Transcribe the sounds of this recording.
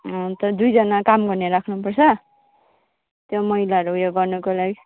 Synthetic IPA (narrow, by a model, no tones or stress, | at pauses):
t̪ʌd̪ujd͡zʌnakamɡʌrneɾakʰnupʌrt͡sʰʌ | t̪jomʌilaʌɾuɦujoɡʌrnʌkolaɡi